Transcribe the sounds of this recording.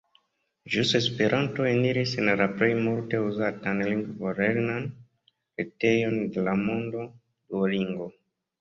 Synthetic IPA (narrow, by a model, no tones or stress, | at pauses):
d͡ʒusespeɾʔanto̞eniɾisenɾapɾe̞jmulte̞uzatanliŋɡvoɾeɾnan | ɾite̞jo̞nde̞lamo̞ndo̞ | duoliŋɡo